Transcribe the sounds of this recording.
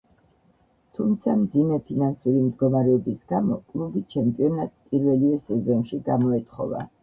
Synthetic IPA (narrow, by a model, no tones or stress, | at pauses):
t̪ʰumt̪sʰamd̪zimɛpʰinansuɾimd̪ɡɔmaɾɛɔbisɡ̥amɔkʼlˠubit͡ʃʰɛmpʼiɔnat̪spʼiɾvɛliɛsɛzɔnʃiɡamɔɛt̪ʼχɔ̰va̰